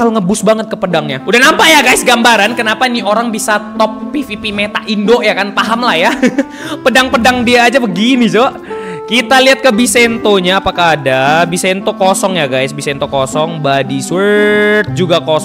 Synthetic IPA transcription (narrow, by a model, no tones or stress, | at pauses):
aloŋəbʊsbaŋət̪̚kəpədaŋɲaudahnampaʔjaɡajsɡambaɾankənapanioɾaŋbisat̪ɔp̚ːifipimet̪aʔindoʔjakanpaɦamlahja | pədaŋpədaŋdiaːd͡ʒabəɡinid͡ʒoʔ | kit̪aliat̪̚kəbisent̪oɲaːpakaːdabisant̪okosɔŋjaɡajsbisent̪okosɔŋbadiswət̪̚d͡ʒuɡako